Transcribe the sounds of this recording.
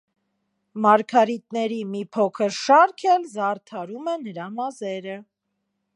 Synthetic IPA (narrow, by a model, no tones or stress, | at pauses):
mɑɾkʰɑɾit̪nɛɾimipʰɔkʰəɾʃɑɾkʰɛlzɑrt̪ʰɑɾumɛnəɾɑmɑzɛɾə